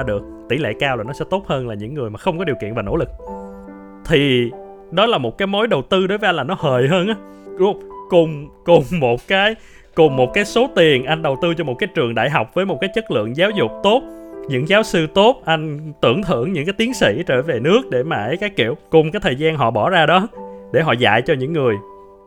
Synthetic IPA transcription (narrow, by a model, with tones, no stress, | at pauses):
ɗɨ˨˩ək̚t̪ḭ˧˩lɛ̰˧˨kaː˧wlaː˨˩nɔ˨˦sɛ˧˥t̪o˦˥t̚həː˧nlaː˨˩ɲɨ̰˧˥ŋːɨ˨˩əjmaː˨˩xə˧wŋ͡mkɔ˨˦ɗi˨˩əkḭ˧˨ənvaː˨˩no̰˧˥lɨ˨˩k̚ | t̪ʰi˨˩ | ɗɔ˨˦laː˨˩mo˨˩t̚kaː˨˦jmo˨˦jɗə˨˩wt̪ɨ˧ɗo˨˦jvəː˨˦ʔa˧jlaː˨˩nɔ˨˦həː˨˩jɦəː˧nʔa˨˦˧ | kʊ˨˩ŋ͡mkʊ˨˩ŋ͡mmo˨˩t̚kaː˨˦j | kʊ˨˩ŋ͡mmo˨˩t̚kaː˨˦jso˨˦t̪i˨˩ənʔa˧jŋ̟ɗə˨˩wt̪ɨ˧t͡ɕɔ˧mo˨˩t̚kaː˨˦jt͡ɕɨ˨˩əŋɗa̰ː˧˨jɦa˨˩wk͡p̚vəː˨˦jmo˨˩t̚kaː˨˦jt͡ɕə˦˥t̚lɨ̰˧˨əŋzaː˨˦wzʊ˨˩k͡p̚t̪o˦˥t̚ɲɨ̰˧˥ŋzaː˨˦wsɨ˧t̪o˦˥t̚ʔa˧jŋ̟t̪ɨ˧˩əŋt̪ʰɨ̰˧˥əŋɲɨ̰˧˥ŋkaː˨˦jt̪i˨˦ənŋsḭ˧˥t͡ɕəː˧˩ve˨˩nɨ˦˥ək̚ɗe˧˩maː˨˩ʔə˨˦jkaː˨˦˥kḭ˧˨əwkʊ˨˩ŋ͡mkaː˨˦jt̪ʰəː˨˩jzaː˧nɦɔ̰˧˨ɓɔ˧˩zaː˧ɗɔ˨˦ɗe˧˩ɦɔ̰˧˨za̰ː˧˨jt͡ɕɔ˧ɲɨ̰˧˥ŋːɨ˨˩əj